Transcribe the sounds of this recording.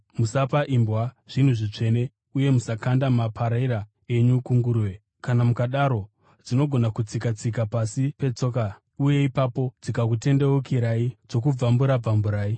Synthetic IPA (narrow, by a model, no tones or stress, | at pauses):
musapaʔimbwaʐ̥in̤uʐit͡ʂe̞ne̞ | uje̞musakandamapʰaɾaiɾa | e̞ɲukuŋɡuɾwe | kanamukaɗaɾo̞ | d͡zino̞ɡʱo̞nakut͡sikat͡sik̬apasipe̞t͡so̞ːka | uje̞ipapo̞d͡zikak̬ute̞nde̞wukiɾaid͡zo̞kub͡vambuɾab͡vambuɾaːi